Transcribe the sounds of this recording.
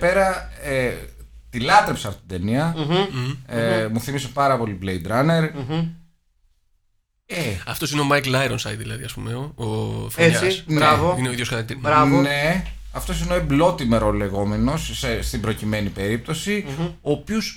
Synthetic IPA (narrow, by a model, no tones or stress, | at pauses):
pe̞ɾɐe | t̪ilɐt̪ɾe̞pseɐft̪ot̪id̪e̞niɐ | muθimise̞pɐɾɐpo̞liblejd̪ɾɐne̞ɾ | eɐft̪o̞sineomɐjklɐeɾonsɐjd̪ðilɐðiɐspumeoofeɐsisnɾɐvoineoiðjosɐt̪ɐk̚t̪iɾɐvone | ɐft̪o̞s̬ineo̞eblo̞t̪ime̞ɾo̞le̞ɣo̞me̞no̞sest̪ibɾo̞cime̞nipe̞ɾip̚t̪o̞sioːpios